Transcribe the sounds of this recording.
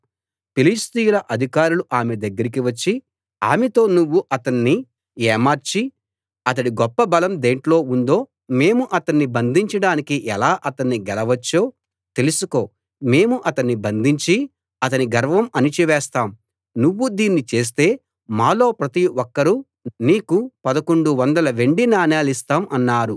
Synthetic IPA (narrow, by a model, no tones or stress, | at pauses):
pilist̪ijulɐʔɐd̪ʱikaːɾuluʔaːmed̪ɐɡːɐɾikiʋɐt͡ʃːi | a̰ːmet̪o̞ːnuʋːuʔɐt̪ɐnːi | ɛːmaːɾt͡ʃi | ɐt̪̬ɐɽiɡɔpːɐbɐlɐmd̪eːɳʈlo̞ːund̪o̞ː | me̞ːmuʔɐt̪ɐnːibɐnd̪ʱiɲt͡ʃɐɽaːnikiʔɛlaːʔɐt̪ɐnːiɡɛlɐʋɐt͡ʃːoː | t̪e̞lusuko̞ː | me̞ːmuʔɐt̪ɐnːibɐnd̪ʱiɲt͡ʃi | ɐt̪ɐniɡɐɾʋɐmɐnit͡ʃiʋɛːst̪aːm | nuʋːud̪iːnːit͡ʃe̞ːs̬t̪e̞ː | maːlo̞ːpɾɐt̪iwɔkːɐɾu | niːkupɐd̪ɐko̞ɳɖuʋɐnd̪ɐlɐʋe̞ɳɖinaːnaːlist̪aːmʔɐnːaːɾu